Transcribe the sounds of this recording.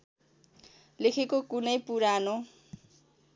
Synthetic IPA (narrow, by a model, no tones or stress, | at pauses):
lekʰekokunʌjpuɾano